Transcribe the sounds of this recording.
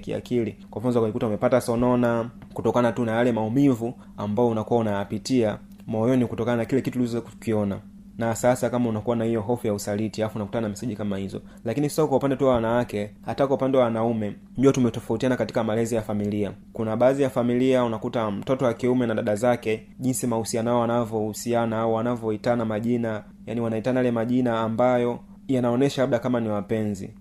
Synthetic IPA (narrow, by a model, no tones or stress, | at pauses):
kḭa̰kilikwamfazakaikutaumɛpatasɔnɔnakutɔkanatunajalɛmaumivu | ambaɔunakuwaunajapitia | mɔjɔnikutɔkananakilɛkituliizɔzkkiɔna | nasasakamaunakuwanahijɔɦɔfujausalitiaafunaku̥tananamisiʄikamahizɔ̰ | lakinisasaaibikwaupandɛtuwawanawakɛhatakwaupandɛwawanaumɛ | ndiatumɛtɔfautianakati̥kamalɛzijafamiliakunaɓaːðijafamiliaunakutam̩tɔtɔwakiumɛnaɗaɗazakɛ | ʄinsimahusianaaɔwanavɔhusianaɔwanavɔitanamaʄina | janiwanaitanajalɛmaʄinaːmbajɔ | janaɔnɛʃalab̚ɗakamaniwapɛnzḭ